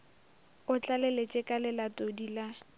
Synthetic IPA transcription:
ʊt͡ɬʼalɛlet͡ʃʼɪkʼalɪlatʼodila

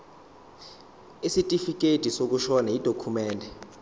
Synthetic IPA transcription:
isitʼifik̬ʼetʼisok̬uʃɔnaid̥ʱokʰumɛːndʱɛ

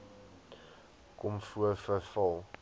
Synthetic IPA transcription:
kɔmfuəfəfɔlˠ

